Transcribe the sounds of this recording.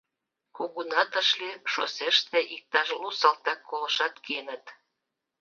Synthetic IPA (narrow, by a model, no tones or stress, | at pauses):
kuɣunɑt̪əʃliʃo̰seʃt̪eʔik̚t̪ɑʃlusɑlt̪ɑkːoləʃɑt̪kenə̆t̪